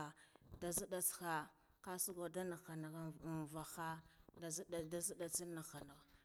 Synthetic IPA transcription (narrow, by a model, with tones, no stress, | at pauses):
a˨da˨zi˦ɗa˨t͡sxa˨ | ka˦su˦ɡa˨da˦na˨xa˨na˨ɣa˦˨va˨xa˦˨˦ | da˦zi˦ɗa˨t͡si˦na˨xa˨na˨ɣ